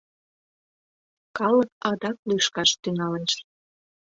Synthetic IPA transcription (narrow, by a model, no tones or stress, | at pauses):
kɑləkɑd̪ɑk̚luʃkɑʃt̪yŋɑlə̆nʃ